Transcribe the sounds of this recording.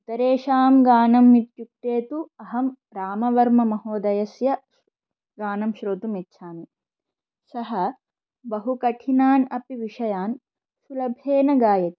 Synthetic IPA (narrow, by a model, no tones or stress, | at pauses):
ut̪ɐɾeːʃaːmɡaːnɐmːit̪̚t͡ʃuk̚ʈ̪eːt̪uɐɦɐm | ɾaːmɐʋɐɾmɐmɐɦoːd̪ɐjɐsjɐ | ɡaːnɐmʃɾoːt̪umit̪ːʃʰaːni | sɐɦɐ | bɐɦukɐʈʰinaːnɐpiʋiʂɐjaːn | sulɐbʱeːnɐɡaːjɐt̪i̥